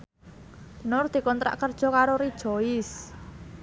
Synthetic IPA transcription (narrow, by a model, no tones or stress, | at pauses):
nʊrd̪̥i̤kɔnt̪ɾa̰ʔkərd̥ʒ̥ɔ̤kaɾoɾid̥ʒ̥ɔɪs